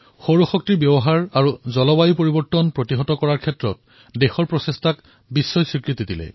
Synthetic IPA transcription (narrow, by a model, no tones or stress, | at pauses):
xowɹɔxɔk̚tiɹbjɛbɔɦaɹaɹuzɔlɔbajupoɹibɔɹtɔnpɹotiɦɔtɔkɔɹaɹkʰɛtɹɔt̚ | dɛxɔɹpɹɔsestʰak | bisːɔjsɹikɹitidilɛ̰